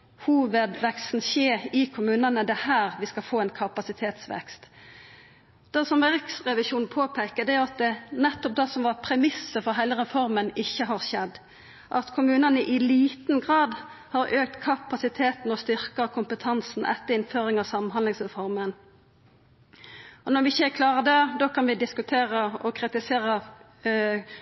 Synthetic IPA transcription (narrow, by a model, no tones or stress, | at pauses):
huːʋəd̪ʋɛkst̪n̩çeːɾɪkʰʊmʉːnənəd̪ɛhæːɾʋɪskɑlfoːɛɪnkʰɑpɑsɪt̪ʰeːt̪sʋɛ̰kst̪ | d̪̥ɛsɔmʋɛʁɪksʁɛʋɪʃuːnpʰoːpʰɛɪkəd̪ɛæjʊɑt̪̚d̪ɛnɛt̪ːɔp̚d̪ɛsɔmʋɑpʰɾɛmɪsəfɔɾɦæɪləʁɛfɔɾmənɪçːəɦɑʁʃɛd̪ | ʔɑ̰t̪kʰʊmʉːnənəʔɪliːt̪nɡʁɑːd̪hɑːɾʔøːk̚t̪kʰɑpɑsɪt̪ʰeːt̪n̩ɔst̪ʏɾkɑkʰʊmpət̪ʰɑnsn̩ʔɛ̰t̪ːəɾɪnføːɾɪŋɑʋsɑmnɦɑnlɪŋsʁɛfɔɾmən | ɔnɔɾʋɪɪçəkʰlɑːʁəd̪ɛd̪oːkʰɑnʋɪd̪ɪskʉt̪ʰeːɾəɔkʰʁɾɪt̪ɪseːɾə